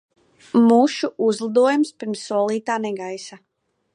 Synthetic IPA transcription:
muʃuʔuzlˠad̪uɔjumspiɾmsːuɔlˠiːt̪aːnɛɡajsa

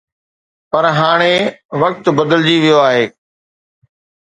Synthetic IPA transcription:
pɐɾɦaːɽ̃eʋɐk̚t̪bɐd̪əld͡ʑiʋijoaːɦeː

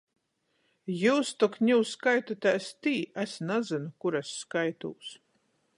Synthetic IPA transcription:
juːst̪ɔkɲʲuwskajt̪ɔt̪ast̪iːæsnazɨnukuɾɛsːkajt̪ṵːs

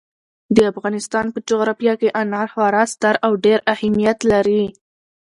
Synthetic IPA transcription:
d̪əafɣɑnɪst̪ɑnpəd͡ʒoɣɾɑfjɑkeʔanɑɾxwɑɾɑst̪aɾawɖeɾahamijat̪laɾi

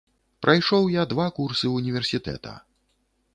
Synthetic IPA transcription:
pɾʔajʂɔwjad̪vakursɨunʲivʲɛrsʲit̪ɛ̰t̪ɐ̰

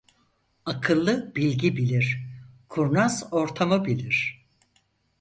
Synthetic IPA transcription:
akʰɯlˠːɯbilʲɟibilʲiɾ̥kʰuɾnazo̞ɾt̪ʰamɯbilʲiɾ̥

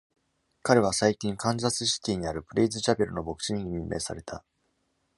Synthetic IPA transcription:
kaɾe̞β̞asaikʲĩŋkãnzasɨɕi̥t̪ʲiːɲ̟iaɾɯ̟pɯ̟ɾʲiːzɨt͡ɕape̞ɾɯ̟no̞bo̞kɯ̟̥ɕiɲiɲimʲimːe̞̰ːsa̰ɾe̞t̪ʰa̰

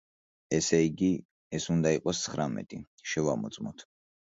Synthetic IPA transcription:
ɛsɛiɡi | ɛsund̪aiqʼɔst̪sʰχɾamɛ̰t̪ʼi | ʃɛvamɔ̰t̪sʼmɔt̪ʰ

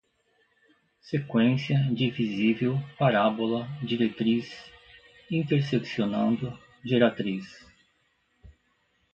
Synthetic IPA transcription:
sekwẽsjɐd͡ʒɪvizivewpaɾabolɐd͡ʒiɾet̪ɾis | ĩnt̪eɾseksionɐ̃nd̪ʊ | d͡ʒeɾat̪ɾis

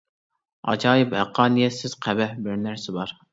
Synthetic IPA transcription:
ɑ̰d͡ʒɑːjɪphæqʰːɑːnijɛsɪz̥qʰæbɛhbɪɾnæɾsɪbɑɾ

